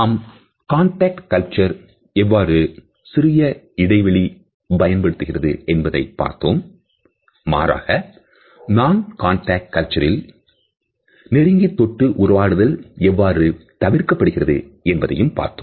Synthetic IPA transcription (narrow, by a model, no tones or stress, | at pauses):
ɐm | kaːɳʈaːk̚ʈkɐlt͡ʃɐɾ | ɛʋːaːɾɯ | sɪrɪjɐ | ɪɽɐɪʋɐɭi | bɐjɐnpɐɽɯt̪ːɯɣɪrɐðɯ̰ɛnbɐðɐɪpːa̰ːɾt̪oːmː | a̰ːɾa̰ːɣɐ | naːnkaːɳʈaːk̚ʈkːɐlt͡ʃɐɾɪl | nɪɾɪŋɡit̪ːɔʈːɯʔʊɾɐʋaːɽɯðɐlɛʋːaːɾɯt̪ɐʋɪrkɐpːɐɽɯɣɪrɐðɯ̰ɛnbɐðɐ̰jɯmpa̰ːɾt̪oːm